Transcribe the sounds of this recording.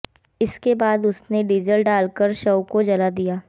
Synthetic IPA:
ɪskebaːd̪ʊsneɖiːzəlɖaːlkəɾʃɐwkod͡ʒɐlad̪ijaː

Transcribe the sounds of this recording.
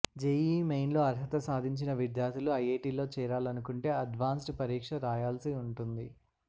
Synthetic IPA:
d͡ʒejiːmejnlo̞ːɐɾɦɐt̪ɐsaːd̪ʱiɲt͡ʃinɐʋid̪jaːɾt̪ʰiluɐjeːʈiːlo̞ːt͡ʃɛːɾaːlɐnukuɳʈe̞ːɐɖʋaːnsʈpɐɾiːkʂɐɾaːjaːlsiuɳʈund̪i

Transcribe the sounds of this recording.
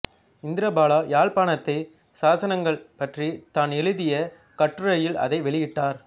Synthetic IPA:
ɪnd̪ɪɾɐbaːɭaːjaːɭpaːɳɐt̪ːɐɪ | saːsɐnɐŋɡɐɭpɐʈrit̪aːnɛɻɯðɪjɐ | kɐʈːrɯɾɐjɪlɐ̰ðɐɪʋɛɭɪjɪʈːaːɾ

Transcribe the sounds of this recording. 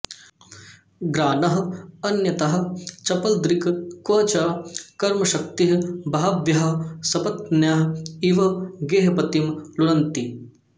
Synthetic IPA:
ɡɾaːnɐɦɐɐnjɐt̪ɐɦɐ̆t͡ʃɐpɐld̪ɾikkʋɐːt͡ʃakɐɾmɐʃɐk̚t̪iɦbʱaaʋjɐɦɐsɐbɐt̪̚njaɦiʋɐɡeːɦɐpɐt̪imluɽɐnt̪i

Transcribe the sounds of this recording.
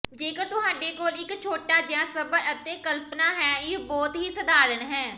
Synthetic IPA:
d͡ʒeːkəɾt̪ʊɦaːɖeːkoːlɪkt͡ʃʰoːʈaːd͡ʒɪjãːsəbəɾət̪ẽːkəlpnaːɦɛːɪbɔːt̪ɦiːsəd̪aːɾənɦɛː

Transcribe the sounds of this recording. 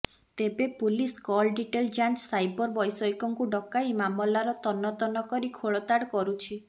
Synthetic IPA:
t̪ebepuliskɔlɖiʈeld͡ʒant͡ʃsajbɔɾbɔjsɔjkɔŋkuɖɔkajmamɔlaɾɔt̪ɔnɔt̪ɔnɔkɔɾikʰoɭɔt̪aɽkɔɾut͡ʃʰi

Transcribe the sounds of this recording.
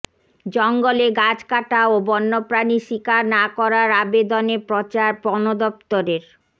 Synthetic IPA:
d͡ʑɔŋɡoleɡad͡ʑkaʈaobɔnːopɾaniʃikaɾnakɔɾaɾabed̪onepɾot͡ɕaɾpɔnod̪ɔp̚t̪oɾeɾ

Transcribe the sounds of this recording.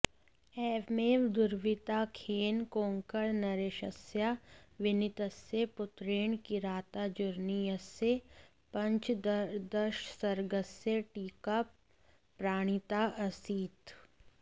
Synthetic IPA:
ɛːʋmeːʋd̪ʊɾʋɪt̪akʰeːnkõːŋkəɽnɐɾeːʃəsjaʋɪnɪt̪əsjepʊt̪ɾeːɳ̃kiɾaːt̪ad͡ʒʊɾniəse | pɐ̃ɲt͡ʃd̪əʃsɐɾɡəseʈiːkap | pɾaːɽ̃ɪt̪aʔɐsiːt̪

